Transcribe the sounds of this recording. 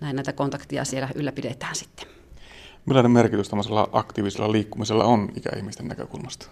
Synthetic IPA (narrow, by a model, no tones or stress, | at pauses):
næˑinæit̪ækont̪ɑkt̪ijɑ̰sielæʔylːæpidet̪ˑæ̥ːnsi̥t̪ːe̥ | milːɑːˑnemmerkit̪yst̪æmːoselːɑ̰ʔɑkt̪iːʋisḛlːɑliːkːumiselːɑ̰onikæ̰ḭhmist̪enːæ̰kø̰kulmɑst̪ɑ̥